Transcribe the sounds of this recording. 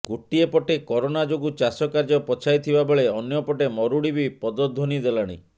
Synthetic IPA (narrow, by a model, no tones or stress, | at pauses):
ɡoʈiepɔʈekɔɾonad͡ʒoɡut͡ʃasɔkaɾd͡ʒɔpɔt͡ʃʰajt̪ʰibabeɭeɔnjɔpɔʈemɔɾuɽibipɔd̪ɔd̪ʱːonid̪elaɽ̃ḭ